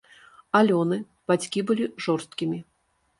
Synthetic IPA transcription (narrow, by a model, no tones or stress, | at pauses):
alʲɔnɨ | b̥at͡sʲkʲibɨlʲiʐɔrst̪̚kʲimʲi